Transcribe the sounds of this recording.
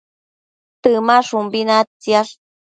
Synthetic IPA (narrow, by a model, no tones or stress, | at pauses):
t̪ɨmaʂumbinat͡siaʂ